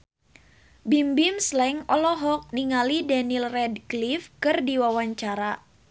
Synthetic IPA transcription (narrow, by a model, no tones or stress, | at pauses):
bimbimslɛŋɔlɔɦɔk̚niŋalidɛnilrɛdklifkɨrdiwawaɲt͡ʃaɾa